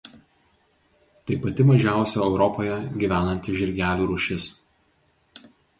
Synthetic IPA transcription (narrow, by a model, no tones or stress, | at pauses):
t̪ɐɪpɐt̪ʲɪmɐʒʲæˑʊsʲoɛʊɾɔpoːjɛɡʲiʋʲæːnɐnʲt̪ʲɪʒʲɪɾʲɡʲæːlʲuːɾʊʃʲɪs